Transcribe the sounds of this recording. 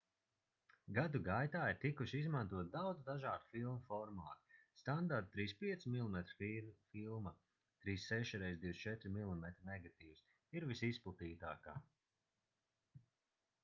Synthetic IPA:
ɡad̪uɡajt̪aːiɾt̪ikuʃizmant̪uɔt̪̚d̪awd̪zd̪aʒaːd̪u̥filˠmufɔɾmaːt̪i̥st̪and̪aɾt̪̚t̪ːɾiːspiɛt̪smilˠimɛt̪ɾfifilˠma | t̪ɾiːsːɛʃiɾɛjzd̪iwst͡ʃɛt̪ɾimilˠimɛt̪ɾinɛɡat̪iːws | iɾvisisplˠat̪iːt̪a̰ːka̰ː

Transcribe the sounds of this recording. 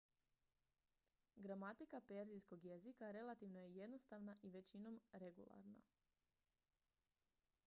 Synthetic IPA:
ɡɾamat̪ikape̞ɾzisko̞ɡje̞zikaɾe̞lˠat̪iʋnojeje̞d̪no̞st̪aʋnaʔiʋe̞t͡ɕino̞mɾe̞ɡṵlˠa̰ɾna̰

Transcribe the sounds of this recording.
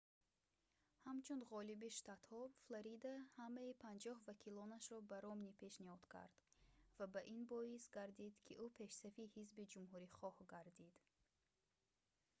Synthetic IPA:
hamt͡ʃʰund̪ʁɔlibiʃt̪at̪hɔflaɾid̪ahamaipʰand͡ʒɔhvakʰilɔnaʃɾɔbaɾɔmnipʰe̞ʃnihɔd̪̥kʰa̰ɾd̪̥vabaʔinbɔisɡaɾd̪id̪kʰiʔupʰe̞ʃsafihizbid͡ʒumɦuɾiχɔhɡaɾd̪id̪̥

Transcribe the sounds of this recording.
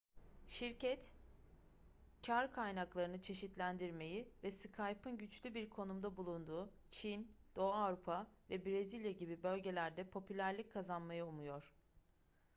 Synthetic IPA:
ʃiɾcʰɛt̪ | cʰaɾkʰajnaklˠaɾɯnɯt͡ʃʰe̞ʃit̪lʲænd̪iɾme̞jivɛsɯkʰajpɯnɟyt͡ʃlʲybiɾkʰo̞numd̪abulˠund̪uː | t͡ʃʰind̪̥o̞avɾupʰavɛbɾezilʲjaɟibibø̞lʲɟe̞lʲæɾd̪ɛpʰo̞pʰylʲæɾlʲic̚kʰːazanmajɯumujo̞ɾ̥

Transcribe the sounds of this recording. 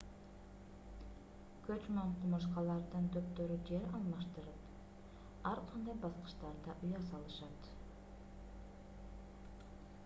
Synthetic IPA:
kʰøt͡ʃmeɴqʰumɑʃ̬qɑlˠɑɾd̪ɯnt̪ʰøpt̪øɾyd͡ʒeɾɑlˠmɑʃt̪ɯɾɯp | ɑɾqʰɑnd̪ɑjbɑsqɯ̥ʃt̪ɑɾd̪ɑʔujɑsɑlˠɯʃɑt̪

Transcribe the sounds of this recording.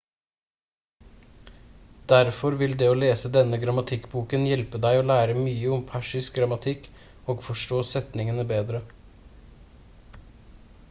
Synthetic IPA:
d̪̥æɾfɔɾʋɪld̪ɛːoːleːsəd̪ɛnːəɡɾɑmɑt̪ʰɪkːbuːkənjɛlpəd̪æɪoːlæːɾəmyːəʊmpʰæʂɪsk̚ɡɾɑmɑt̪ʰɪkː | oːɡfɔʂʈoːsɛt̪nɪŋənəbeːd̪ɾə

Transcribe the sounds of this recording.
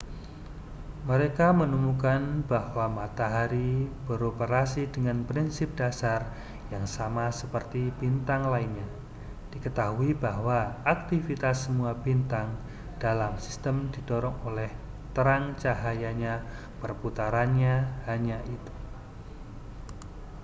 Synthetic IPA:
məɾekamənumukanb̥ahwamat̪aɦaɾib̥əɾopəɾasidəŋanpɾinsɪp̚d̥asar | jaŋsamasəpərt̪ib̥int̪aŋlainɲa | d̥ikət̪aɦuibaɦwaak̚t̪ifit̪asːəmuabint̪aŋ | d̥alamsi̥st̪əmdidoɾɔŋolɛh | t̪əɾaŋt͡ʃaɦajaɲa | pərput̪aɾanɲahaɲaʔit̪u̥

